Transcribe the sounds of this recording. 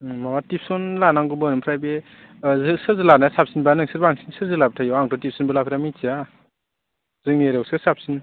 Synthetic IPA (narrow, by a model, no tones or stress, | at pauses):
mawatipʰsɔnlanaŋɡubɯnɯmpʰɾajbe | zɯsɯɾzɯlanasap̚sinbanɯŋsɯɾbaŋsinsɯɾzɯlabtʰajɔaŋtʰɔtip̚ʰsɔnbɯlapʰɾamit͡ʃia | zɯŋneɾɔk̚sɯsap̚sin